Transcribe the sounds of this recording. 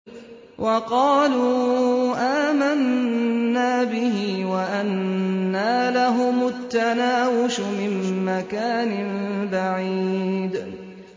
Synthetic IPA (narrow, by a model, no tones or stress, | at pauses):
wʔɑqɑːluːʔaːmanː | aːbɪɦiːwaʔanːaːlaɦʊmʊt̪ːanaːwʊʃmɪmːakaːnɪnbaʕiːd̪